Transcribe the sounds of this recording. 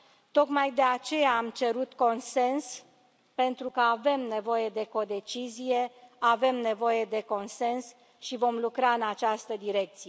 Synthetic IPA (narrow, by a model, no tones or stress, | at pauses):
t̪o̞kmajd̪e̞at͡ʃe̞jaːmt͡ʃe̞ɾut̪ko̞nse̞ns | pe̞nt̪ɾukəave̞mne̞vo̞je̞d̪e̞ko̞d̪e̞t͡ʃizije̞ave̞mne̞vo̞je̞d̪e̞ko̞nse̞ns | ʃivo̞mlukɾaɨnat͡ʃast̪əd̪iɾe̞k̚t̪sije